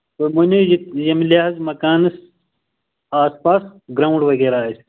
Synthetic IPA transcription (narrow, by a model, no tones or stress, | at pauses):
t̪omunʲujijɐmlʲaɦɐzmɐkaːnɨs | aːspaːsɡɾaːũɳɖʋɐɣeːɾaːes